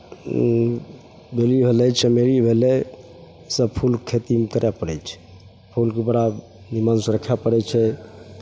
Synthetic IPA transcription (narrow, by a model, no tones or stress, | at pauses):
belibʱelɛt͡ʃʰəmeɾibʱelɛ | səbpʰulkʰet̪imkəɾɛpəɽɛt͡ʃʰɛ̥ | pʰulkebəɽa | nimənsɾəkʰɛpəɽɛt͡ʃʰɛ